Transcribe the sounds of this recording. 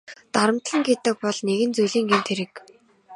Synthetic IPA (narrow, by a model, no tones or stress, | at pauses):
t̪aɾə̆m̥t̪ɮə̆ŋɡet̪ɘ̆k̚pɔɮneɣɘ̆nt͡sujɮiːŋɡent̪ʰeɾɘ̆k